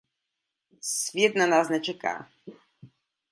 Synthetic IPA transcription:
sfʲjɛt̪̚nanasnɛt͡ʃɛka̰

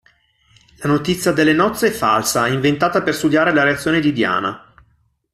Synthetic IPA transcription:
lanot̪it̪sːjad̪elːenɔt̪sːeɛfːa̰lsaiɱvent̪aːt̪aperst̪ud̪jaːɾelaɾeat̪sːjoːned̪id̪ja̰ːna̰

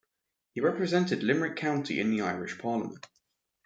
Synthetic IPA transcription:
hiɹɛpɹɪzɛ̃ntɪdlɪməɹɪʔkʰãʊ̃ntʰḭʔɪ̰̃nðiaɪɹɪʃpʰɑːləmə̰̃nt

